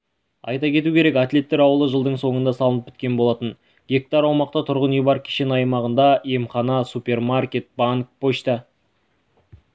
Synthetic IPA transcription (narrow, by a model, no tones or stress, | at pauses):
ɑ̰jt̪ɑkʲʰe̞t̪ukʲʰeɾe̞kat̪le̞t̪ːeɾɑwəlˠəʒəlˠd̪əɴso̞ɴənd̪ɑsɑlˠənəpʲʰɪ̥t̪kʲe̞nbo̞lˠɑt̪ən | ɡʲe̞k̚t̪ɑɾɑwmɑq̚t̪ɑt̪ʰʊɾʁənejbɑɾkʲʰe̥ʃe̞nɑjmɑʁənd̪ɑe̞mχɑnɑsupʲe̞rmarkʲe̞t̪̚baŋk̚pʰoʃt̪ɑ